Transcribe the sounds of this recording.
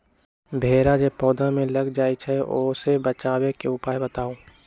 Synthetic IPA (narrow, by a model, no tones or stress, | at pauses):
bʱeːɾad͡ʒepɔːd̪ʱamẽləɡd͡ʒaːit͡ʃʰɛoːsebət͡ʃaːwekeʊpaːjbət̪aːoː